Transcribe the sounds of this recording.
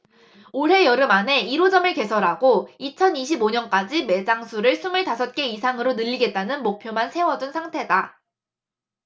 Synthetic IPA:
oɾɦe̞jʌɾɯmane̞iɾod͡ʑʌmɯɭke̞sʰʌɾaɡoit͡ɕʰʌniɕʰiboɲʌnk͈ad͡ʑime̞d͡ʑaŋsʰuɾɯɭsʰumɯɭtasʰʌt̚k͈e̞isʰaŋɯɾonɯʎːiɡe̞t̚t͈anɯnmok̚pʰjomansʰe̞wʌd͡ʑunsʰaŋtʰe̞da

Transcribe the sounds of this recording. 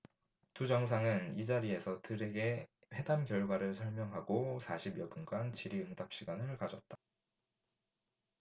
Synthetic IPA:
tud͡ʑʌŋs̬ʰaŋɯnid͡ʑaɾie̞sʰʌtɯɾe̞ɡe̞ | ɸe̞damkjʌɭɡwaɾɯɭsʰʌɭmjʌŋɦaɡosʰaɕʰibjʌbunɡant͡ɕiɾiɯŋdap̚ɕ͈iɡanɯɭkad͡ʑʌt̚t͈ḁ

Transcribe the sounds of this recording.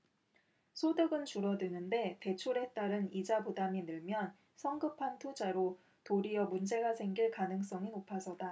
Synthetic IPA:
sʰodɯɡɯnt͡ɕuɾʌdɯnɯnde̞te̞t͡ɕʰoɾe̞t͈aɾɯnid͡ʑabudaminɯɭmjʌn | sʰʌŋɡɯpʰantʰud͡ʑaɾo | toɾijʌmund͡ʑe̞ɡasʰe̞ŋɡiɭkanɯŋs͈ʌŋinopʰasʰʌda

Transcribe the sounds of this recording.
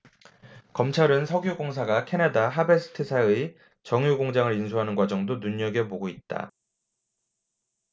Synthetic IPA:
kʌmt͡ɕʰaɾɯnsʰʌɡjoɡoŋs̬ʰaɡakʰe̞nadaɦabe̞sʰɯ̥tʰɯsʰaɯi | t͡ɕʌŋjuɡoŋd͡ʑaŋɯɾinsʰuɦanɯnɡwad͡ʑʌŋdonuɲʌɡepoɡoit̚t͈a̰

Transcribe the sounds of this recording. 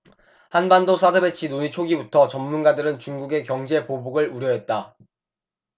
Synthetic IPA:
hanbandosʰadʰɯbe̞t͡ɕʰinoɲit͡ɕʰoɡibutʰʌt͡ɕʌmmːunɡadɯɾɯnt͡ɕuŋɡuɡe̞kjʌŋd͡ʑe̞pobuɡɯɭuɾjʌɦe̞t̚t͈a

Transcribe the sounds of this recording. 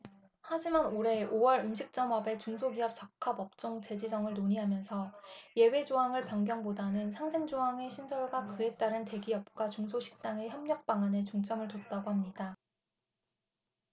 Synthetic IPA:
had͡ʑimanoɾe̞owʌɾɯmɕʰik̚t͡ɕ͈ʌmʌbe̞t͡ɕuŋsʰoɡiʌp̚t͡ɕʌak̚kʰabʌp̚t͡ɕ͈oŋt͡ɕe̞d͡ʑid͡ʑʌŋɯɭnoɲiɦamjʌnsʰʌje̞we̞d͡ʑoɦaŋɯɭpjʌŋɡjʌŋbodanɯnsʰaŋsʰe̞ŋd͡ʑoaŋe̞ɕʰinsʰʌɭɡwakɯe̞t͈aɾɯnte̞ɡiʌp̚k͈wat͡ɕuŋsʰoɕʰi̥k̚t͈aŋe̞çjʌmɲʌk̚p͈aŋane̞t͡ɕuŋt͡ɕ͈ʰʌŋɯɭtot̚t͈aɡoɦamɲida

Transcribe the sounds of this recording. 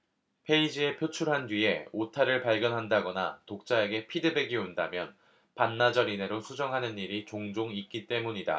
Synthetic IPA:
pʰe̞id͡ʑie̞pʰjot͡ɕʰuɭɦandɥie̞otʰaɾɯɭpaɭɡjʌnɦandaɡʌna̰tok̚t͡ɕ͈ae̞ɡe̞pʰidɯbe̞ɡionda̰mjʌn | panːad͡ʑʌɾine̞ɾosʰud͡ʑʌŋɦanɯniɾit͡ɕoŋd͡ʑoŋik̚k͈it͈e̞muɲida̰

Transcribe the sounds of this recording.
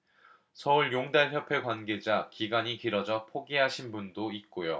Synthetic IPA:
sʰʌuɭjoŋdaɭçjʌpʰe̞kwanɡe̞d͡ʑakiɡaɲikiɾʌd͡ʑʌpʰoɡiɦaɕʰinbundoit̚k͈ojo

